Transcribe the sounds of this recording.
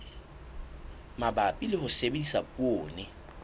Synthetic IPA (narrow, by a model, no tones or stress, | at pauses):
mabapʼilɪhʊsebendisapʼwoːnɪ